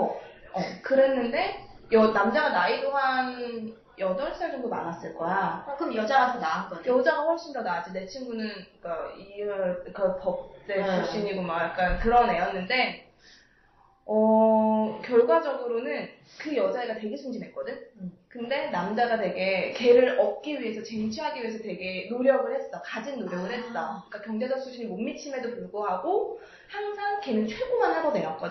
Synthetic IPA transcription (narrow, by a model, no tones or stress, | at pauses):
ʌkɯɾe̞nːɯnde̞jʌnamd͡ʑaɡanaidoɦan | jʌdʌɭʰisʰad͡ʑʌŋdoma̰nas͈ɯɭk͈ʌjakɯjʌd͡ʑaɡasʰʌnaak͈ʌjʌd͡ʑaɡaɸwʌɭɕ͈indonad͡ʑine̞t͡ɕʰiŋɡunɯnik͈aiʌkapʌp̚t͈et͡ɕuɕ͈iɲiɡomajak͈ankɯɾʌne̞jʌnːɯnde̞ | ʌ | kjʌɭɡwad͡ʑʌɡɯɾonɯn | kɯjʌd͡ʑaiɡate̞ɡe̞sʰuŋd͡ʑinɦe̞k͈ʌdɯɲkɯnde̞namd͡ʑaɡatwe̞ɡe̞ke̞ɾɯɾʌp̚k͈iɥiɦe̞sʰʌt͡ɕeŋt͡ɕʰiɦaɡiɥie̞s̬ʰʌte̞ɡe̞noɾjʌɡɯɭhe̞t̚t͈akad͡ʑinːoɾjʌɡɯɭhe̞t̚t͈ak͈akjʌŋd͡ʑe̞d͡ʑʌk̚sʰuɕʰiɲimomːit͡ɕʰime̞dopuɭɡoɦaɡo | haŋsʰaŋke̞nɯnt͡ɕʰweɡomanɦaɾone̞jʌk͈ʌd